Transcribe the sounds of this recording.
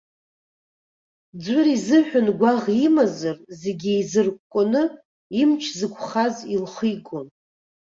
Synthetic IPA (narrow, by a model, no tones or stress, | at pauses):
d͡zʷʊɾizɨħᶣʊnɡʷaʁimazɨrzeɡʲiizɨrkʷkʷʼʊnɨ | imt͡ʃʰzɨkʷʰʼχazilχijɡʷʼon